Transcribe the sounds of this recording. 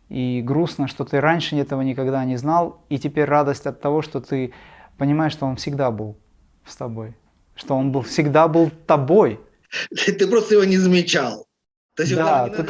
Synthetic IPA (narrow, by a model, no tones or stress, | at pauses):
iɡɾusnəʂt̪o̞t̪ɨɾanʲʂɨɛt̪əvənʲɪkɐɡd̪anʲɪznalˠitʲɪpʲeɾʲrad̪əsʲtʲɐt̪ːɐvo̞ʂt̪o̞t̪ɨ | pənʲɪmaɪʂt̪o̞o̞nfsʲɪɡd̪abɨlˠ | st̪ɐbo̞j | ʂt̪o̞o̞nbɨlˠfsʲɪɡd̪abɨlˠt̪ɐbo̞j̪ | t̪ɨpɾost̪əjɪvonʲɪzəmʲɪt͡ɕalˠ | t̪osʲd̪aɨ